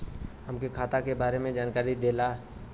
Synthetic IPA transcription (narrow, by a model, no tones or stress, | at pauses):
həmkekʰaːt̪akebaːɾemẽd͡ʒaːnkaːɾid̪eːlaː